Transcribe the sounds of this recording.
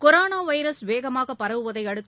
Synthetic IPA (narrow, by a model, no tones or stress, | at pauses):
kɔɾoːnaːʋɐɪɾɐsʋeːɣɐmaːɣɐpːɐɾɐʋɯʋɐðɐɪɐɽɯt̪ː